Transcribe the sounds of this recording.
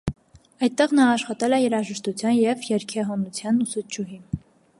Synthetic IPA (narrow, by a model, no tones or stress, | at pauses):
ɑjt̪̚ːɛʁnɑːʃχɑt̪ɛlɛjɛɾɑʒɛʃt̪ut͡sʰjɑnjɛvjɛɾkʰɛɦɔnut͡sʰjɑnusud͡ʒuɦi